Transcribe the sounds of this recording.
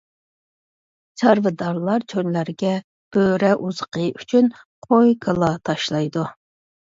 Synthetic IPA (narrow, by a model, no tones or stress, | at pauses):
t͡ʃʰɑɾvɨd̪ɑɾlˠɑɾt͡ʃʰønlæɾɡʲɛ | b̥øɾɛʔuz̥əqʰəʔyt͡ʃʰyn | qʰojkʰəlˠɑt̪ʰɑʃlˠɑjd̪u